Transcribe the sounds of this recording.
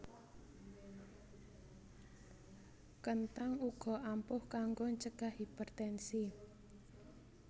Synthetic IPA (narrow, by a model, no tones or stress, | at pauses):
kənt̪aŋuɡ̥ɔ̤ʔampʊhkaŋɡoɲt͡ʃəɡ̥ahipərt̪ɛnsi